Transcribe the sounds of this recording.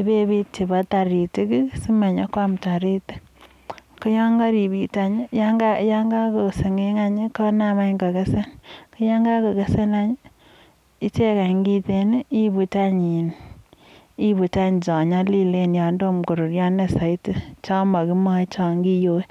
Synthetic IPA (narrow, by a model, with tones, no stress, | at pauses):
i˨˦be˦bi˦ti˨ba˦ta˨ɾi˨ti˦ki˦si˦me˨ɲɔ˦kwa˦mta˨ɾi˦ti̥˦ | ko˦jɔ˦ŋɡa˦ɾi˨bi˨ta˨ɲi˦ja˦ŋɡa˦ja˦ŋɡa˦ko˨se˨ŋe˦ŋa˦ɲi˦kɔ˦na˦ma˦ŋɡo˨ke˦se˦nki˦ja˦ŋɡa˦ko˨ke˦se˦na˦ɲ˦ | i˦t͡ʃe˦ka˨ŋɡi˦te˨ni˦i˦bu˨ta˦ɲi˨n | i˦bu˨ta˦ɲ˨t͡ʃɔ˨ɲa˦li˦le˦njɔ˨ndo˦mko˨ɾo˨ɾja˦ne˨sa˨i˦ti˦t͡ʃɔ˦ma˨ki˦mɔ˦t͡ʃɔ˨ŋɡi˦jo˦